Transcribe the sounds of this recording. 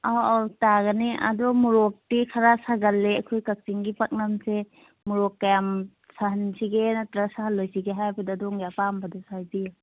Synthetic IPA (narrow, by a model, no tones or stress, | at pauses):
awtaɡɐniʔɐ̰dɔmuɾɔk̚tikʰɐɾasaɡɐlːeɐkʰojkɐk̚siŋɡipak̚nɐmse | muɾɔkːɐjam | saɦɐnsiɡenɐtɾasaɦɐlːojsiɡeɦajbɐdadɔŋɡapambɐdɔsajbija